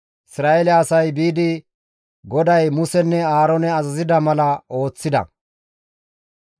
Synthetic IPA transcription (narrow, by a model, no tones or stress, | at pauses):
ʔɪsɾaːʔelɛɐsɐjbiːd̪ɪ | ɡɔd̪ɐjmʊsɛnːɛaːɾonɛɐzɐzɪd̪ɐmɐlɐo̞ːt͡sːɪd̪ɐ̰